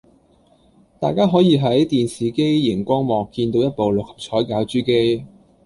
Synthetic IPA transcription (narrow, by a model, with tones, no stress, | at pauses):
t̪aː˨jkaː˥ɦɔː˨˥jiː˨˧ɦɐ˨˥jt̪iː˨nsiː˨˩ke˥jjɪ˨˩ŋkʷɔː˥ŋmɔː˨kːiː˧nt̪o˧wjɐ˥t̚po˨wlʊ˨k̚hɐ̥˨p̚t͡ʃʰɔː˨˥jkaː˨˥wt͡ʃyː˥ke˥j